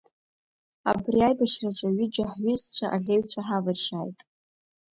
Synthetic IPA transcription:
a̰briajbaʃraʈ͡ʂʷʼaɥid͡ʒaħɥʊzt͡ɕʷʰaʔaɮʲeɥt͡ɕʷʰaħavɨrʂaːjtʼ

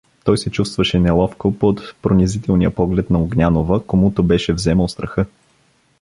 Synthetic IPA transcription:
t̪ɔjsɛt͡ʃust̪vəʃɛnɛlˠɔfkopot̪pɾonʲɛzit̪ɛlˠnijəpɔɡlɛt̪nɐoɡnʲanovəkomut̪obɛʃɛvzɛməlˠst̪ɾəxɤ

